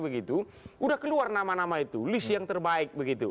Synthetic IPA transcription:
bəɡit̪u | ʔudahkəluarnamanamait̪ulisjaŋt̪ərbaɪk̚bəɡit̪u

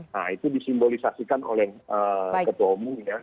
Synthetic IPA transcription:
a̰it̪udisimbolisasikano̰lɛhəkət̪uaumuŋja

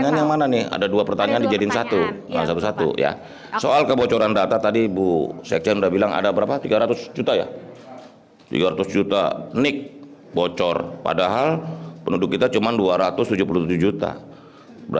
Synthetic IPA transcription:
ɲanjaŋmananɪa̰daduapərt̪aɲaandid͡ʒadinsat̪uə̰sat̪usat̪ṵja̰ | soalkəbot͡ʃɔɾandat̪at̪adibusɛ̰k̚sɛnudabilaŋa̰dabəɾapat̪iɡaɾat̪ʊsd͡ʒut̪aja̰ | t̪ḭɡaɾat̪ʊsd͡ʒut̪a̰nɪk̚ | bot͡ʃɔrpa̰daɦalpənudʊkːit̪at͡ʃumanduaɾat̪ʊst̪ud͡ʒupuluht̪ud͡ʒuhd͡ʒut̪a̰ | bə

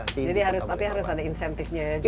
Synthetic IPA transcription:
d͡ʒadiɦaɾʊst̪apiɦaɾʊsadainsɛnt̪ɪfɲad͡ʒ

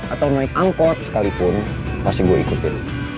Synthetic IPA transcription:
ʔat̪awnaɪkaŋkɔt̪̚sə̥kalipʊn | kasiɡuaḭkut̪ɪn

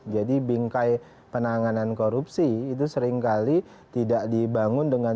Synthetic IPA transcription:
d͡ʒadibiŋkaj | pənaŋanankoɾupsiːt̪̬usəɾɪŋkali | t̪idaʔdibaŋʊndəŋan

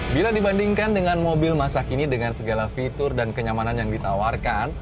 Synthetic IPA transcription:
biladibandiŋkandəŋanmobɪlmasakinidəŋansəɡalafit̪ʊrdankəɲamananjaŋdit̪awarkan

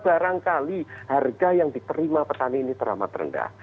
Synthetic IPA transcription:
b̥aɾaŋkaliharɡajaŋdit̪əɾimapət̪aniːnit̪əɾa̰ma̰t̪rə̰nda̰h

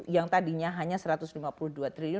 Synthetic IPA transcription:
jaŋt̪adiɲaɦaɲasəɾat̪ʊslimapuluhduat̪ɾiliʊ

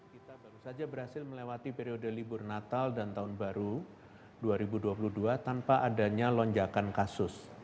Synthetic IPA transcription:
kit̪abaɾusad͡ʒabəɾhasɪlməlewat̪ipeɾiodəlibʊrnat̪aldant̪aʊnbaɾu | duaɾibuduapuluhduat̪anpaʔadaɲalɔɲd͡ʒakankasʊs

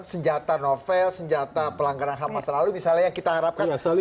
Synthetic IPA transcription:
səɲd͡ʒat̪anofɛlsəɲd͡ʒat̪apəlaŋɡaɾanɦamasəlalumisalɲajaŋkit̪aɦaɾap̚kanasal

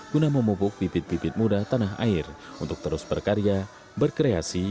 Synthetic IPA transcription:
kunaməmupʊk̚pipɪt̪̚pipɪt̪̚mudat̪anaɦa̰ɪrunt̪ʊk̚t̪əɾʊsbərkaɾja | bərkɾeasi

